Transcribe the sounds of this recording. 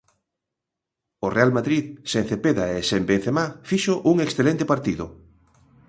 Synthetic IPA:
orealmaðɾiðsen̟θepeðaesembenθemafiʃoʔuŋeksθelent̪epaɾt̪iðʊ

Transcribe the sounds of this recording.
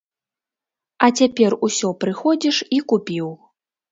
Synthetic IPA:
ɐt͡sʲapʲɛrusʲɔpɾɨxɔd͡zʲiʂikupʲiw

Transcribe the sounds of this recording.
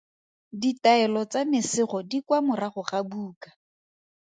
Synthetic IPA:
ditaɛlɔt͡samɪsɪχɔdikwamʊraχʊχabuːkḁ

